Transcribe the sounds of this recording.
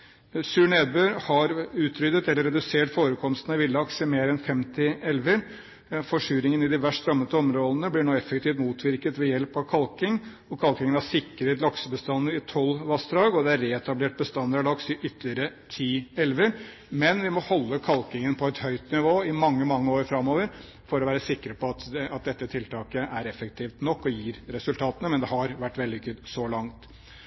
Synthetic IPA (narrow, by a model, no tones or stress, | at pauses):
sʉːɳeːd̪̚bøːɾhɑɾʉːt̪ʰɾʏd̪ət̪ɛlːəɾɛd̪ʉseːʈfoːɾəkʰɔmst̪ənʋɪlːɑksɪmeːɾɛnfɛmt̪ɪɛlʋəɾ | fɔʂʉːɾɪŋənɪd̪ɪʋæʂɾɑmːət̪əɔmɾoːd̪ənəblɪɳoːɛfːək̚t̪ʰiːft̪muːt̪ʰʋɪɾkət̪ʋɛjɛlpɑʋkʰɑlkɪŋ | ɔkʰɑlkɪŋənæsɪkːəɾet̪lɑksəbəst̪ɑnd̪əɾɪt̪ʰɔlːʋɑst̪ɾɑːɡɔd̪ɛæɾɾɛːɛt̪ɑbleːʈ̚bəst̪ɑnd̪əɾæɖ̪ɑksɪʔʏt̪ːlɪəɾət̪ʰiːɛlʋəɾ | mɛnʋɪmɔhɔlːəkʰɑlkɪŋənpʰɔɛt̪hœʏt̪nɪʋoːɪmɑŋːəmɑŋːəoːɾfɾɑmːoːʋəɾ | fɔɾɔʋæːɾəsɪkːɾəpɔɑt̪ɑt̪̚d̪ɛt̪ːət̪ʰɪlt̪ʰɑːkəʔæɾɛfəkt̪ʰiːft̪nɔkːɔjiːɾɾɛsʉlt̪ʰɑːt̪ənəmɛnd̪ɛɦɑɾʋæʈːʋɛld̪ɪɡʉd̪sɔlɑŋt̪